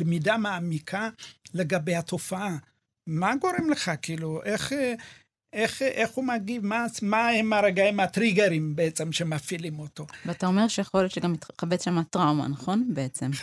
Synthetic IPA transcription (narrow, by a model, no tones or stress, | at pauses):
lemidamaːmikʰaleɡabejhat̪o̞faa | maɡo̞ɾimleχakiːluʔeχ | eχʔeχhumaɡivmamaemaɾaɡaimat̪ɾiɡeɾimbeet͡semʃemafilimoto̞veataome̞ʁʃejeχo̞ljot̪ʃeɡamit̪χabet͡sʃamatʁawma̰naχo̞nbeet͡se̞m